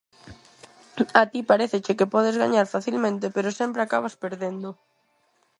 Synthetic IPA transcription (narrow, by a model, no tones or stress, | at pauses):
at̪ipaɾeθet͡ʃekepɔð̞ezɣaɲaɾfaθilmẽnt̪epeɾosempɾeakaβaspeɾðend̪ʊ